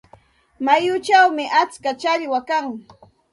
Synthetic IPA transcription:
majʊt͡ʃawmɪʔat͡skat͡ʃaʎwakaŋ

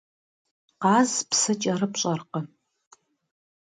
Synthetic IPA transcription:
qɑːzpsɐt͡ʃʼɐrɨpɕʼɐrqə

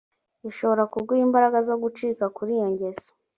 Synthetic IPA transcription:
iʃo̞βo̞ɾakuɾɡwiiːmbaɾaɡazo̞ɡut͡ʃiːkakuɾijoɲɟe̞zo̥

